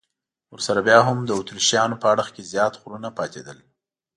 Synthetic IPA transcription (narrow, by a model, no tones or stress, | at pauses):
wəɾsaɾabjɑɦamd̪əut̪ɾiʃjɑnopəaɽəxkezjɑt̪xʊɾunapɑt̪ed̪əl